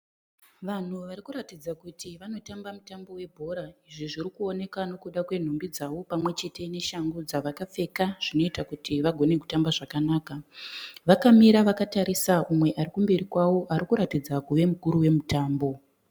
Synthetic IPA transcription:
ʋan̤uʋaɾikuɾatid͡zakutʰiʋano̞tambamutambo̞we̞bʱo̞ɾaiʐiʐiɾikuo̞ne̞kano̞kuɗakwe̞n̤ombid͡zawo̞pamwe̞t͡ʃe̞tʰe̞ne̞ʃaŋɡod͡zaʋakap͡fe̞kaʐ̥ino̞itakutiʋaɡʱo̞ne̞ku̥tambaʐakanaːkaʋakamiɾaʋakataɾisaumwe̞ʔaɾikumbe̞ɾikwawo̞ʔaɾikuɾatid͡zakuʋe̞mukuɾuwe̞mutaːmbo̞

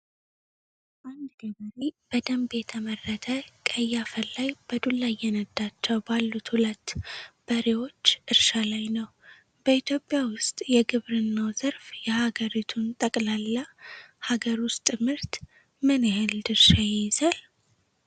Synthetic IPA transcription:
ʔand̪ɡəβəɾib̥əd̪əmbet̪ʰəmərːət̪ʰəkʼəjːafəlːajb̥əd̪ulːajːɛnəd̪ːat͡ʃːɛwbalːut̪hulət̪ːb̥əɾewo̞t͡ʃːʔɨɾʃalajnəw | b̥əit̪ʰjo̞pʼːjawʊst̪ʼjɛɡɨβɾɨnːawzəɾfjɛhaɡəɾit̪ʰunt̪ʼəkʼlalːahaɡəɾwʊst̪ʼɨmɨɾt̪ | mɨnɨɦɨld̪ɨɾʃajɛzal

